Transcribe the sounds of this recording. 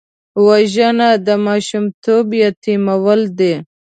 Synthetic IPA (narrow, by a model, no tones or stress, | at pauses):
waʒanad̪əmɑʃumt̪ʰobjat̪imawəld̪e